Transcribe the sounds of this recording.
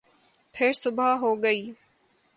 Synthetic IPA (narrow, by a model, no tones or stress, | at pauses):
pʰɪɾsʊbʱaːɦoːɡəiː